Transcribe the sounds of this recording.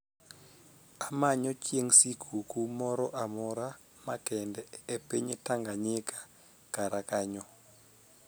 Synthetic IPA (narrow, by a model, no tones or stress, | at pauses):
amaɲɔt͡ʃjeŋsikʰukumɔɾɔʔamɔɾa | makɛndɛːpeɲetaŋɡaɲɪkḁ | kaɾakaɲɔ